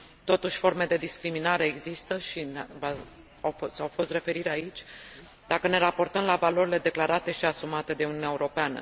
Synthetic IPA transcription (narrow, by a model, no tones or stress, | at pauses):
t̪o̞t̪uʃʲfo̞rme̞d̪e̞d̪iskɾiminaɾe̞ːɡzist̪əʃinva | awsawfo̞st̪re̞fe̞ɾiɾeait͡ʃʲ | d̪akəne̞ɾapo̞rt̪əmlavalo̞ɾile̞d̪e̞klaɾat̪e̞ʃiasumat̪e̞d̪e̞uniunʲaeuɾo̞peanə̰